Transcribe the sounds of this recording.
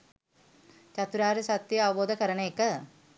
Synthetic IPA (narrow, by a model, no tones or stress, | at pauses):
t͡ʃat̪uɾaːɾesat̪ːjəaʋəboːd̪əkəɾənəekə